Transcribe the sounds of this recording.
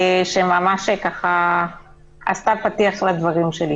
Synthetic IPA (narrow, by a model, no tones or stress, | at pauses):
ʃemamaʃekaχa | ʔa̰st̪apat̪iaχlad̪vaʁimʃeli